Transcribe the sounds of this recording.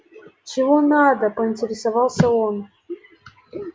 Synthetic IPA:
t͡ɕɪvonad̪əpəɪnʲtʲɪɾʲɪsavɑlˠsʲəon

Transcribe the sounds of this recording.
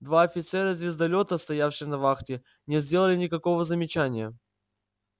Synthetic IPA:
d̪vaɐfʲɪt̪sɛɾəzʲvʲɪzd̪ɐlʲo̞t̪əst̪ɐjafɕɪjnɐvaxtʲɪ | nʲɪzʲdʲe̞lˠəlʲɪnʲɪkɐko̞vəzəmʲɪt͡ɕænʲɪjə

